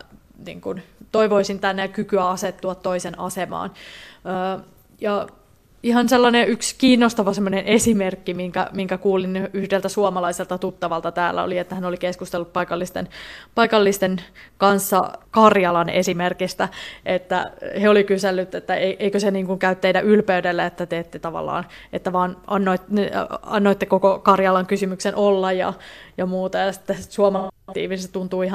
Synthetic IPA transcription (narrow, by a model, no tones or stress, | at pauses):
nḭːŋkunt̪oiʋoisint̪ænːejkykyæɑset̪ːuɑt̪toisenɑsemɑ̰ːnəː | jɑ | ihɑnselːɑneʔykskiːnːost̪ɑʋɑsemːonenesimerkːimiŋkæ̰miŋkækuːlinyhdelt̪æsuɑmɑlɑiselt̪ɑt̪ut̪ːɑʋɑlt̪ɑt̪æːlːæ̰o̰liet̪ːæhænolikeskust̪elːuppɑikɑlːist̪ḛnpɑikɑlːist̪enkɑnsːɑ̰kɑrjɑlɑnesimerkist̪æʔet̪ːæ̰heolikyselːyt̪ːet̪ːæeiʔeikøseniːŋkuŋkæyt̪ːeidæʔylpeydelːæet̪ːæt̪eet̪ːet̪ɑʋɑ̰lːɑ̰ːnʔet̪ːæʋɑːnʔɑnːoit̪nɑ̰nːoit̪ːekokokɑrjɑlɑŋkysymyksenʔolːɑjjɑ̰jɑmuːt̪ɑjɑsi̥t̪ːesuɑmɑt̪ḭːʋinset̪unt̪uːihɑ